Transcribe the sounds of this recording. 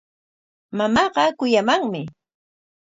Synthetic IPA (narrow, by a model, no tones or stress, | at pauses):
mamɑɢɑkʊjamaŋmɪ